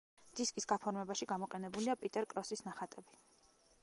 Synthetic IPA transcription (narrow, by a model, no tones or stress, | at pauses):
d̪̥iskʼisɡ̥apʰɔɾmɛbaʃiɡamɔqʼɛnɛbuliapʼit̪ʼɛɾkʼɾɔsisnaχat̪ʼɛbi